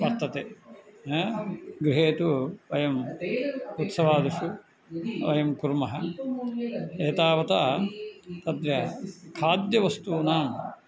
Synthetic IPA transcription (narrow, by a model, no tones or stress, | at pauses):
ʋɐɾt̪ɐt̪eːɦɡɾɪɦeːt̪uʋɐjɐm | ut̪sɐʋaːd̪iʂu | ʋɐjɐmkuɾmɐɦɐ | eːt̪aːʋɐt̪aː | t̪ɐd̪ɾjɐkʰaːd̪jɐʋɐst̪uːnaːm